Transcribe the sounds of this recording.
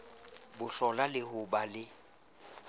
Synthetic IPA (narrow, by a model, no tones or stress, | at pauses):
bʊɬɔlalɪhʊbalɪ